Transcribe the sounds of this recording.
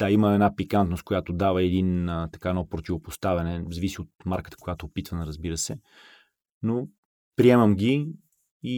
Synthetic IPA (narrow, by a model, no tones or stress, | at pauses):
d̪̥aiməɛd̪napikant̪nost̪̚kojat̪od̪avəɛd̪inət̪ɐ̥kaɛnɔpɾot̪ʲivopost̪avɐnɛzɐvisiot̪̚maɾkə̥t̪ə̥kojat̪oːpit̪vənəɾəzbiɾəsɛ | no | pɾiɛmɐmɡʲi | i